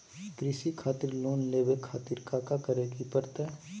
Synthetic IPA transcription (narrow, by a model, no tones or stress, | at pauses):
kɾɪʃikʰaːt̪ɪɾloːnleːʋekʰːaːt̪iɾkaːkakəɾekipəɾt̪ɛ